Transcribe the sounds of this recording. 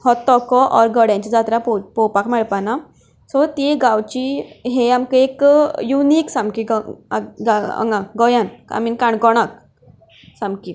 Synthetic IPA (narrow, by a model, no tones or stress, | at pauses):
hɔt̪ːɔkɔʔɔɾɡəɽjãɲt͡ɕid͡zat̪ɾapɔpɔwpakmɛɭpana | sɔt̪iɡawt͡ɕiɦeamkəekjuniːksãmbkiɡ | ɡaə̰ŋɡãɡɔjana̰minkaɳkɔɽ̃ak̚ | sãmki